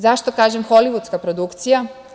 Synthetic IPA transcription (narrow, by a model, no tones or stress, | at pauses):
zaʃt̪o̞kaːʒemxo̞liʋut̪skapɾod̪ukt̪sija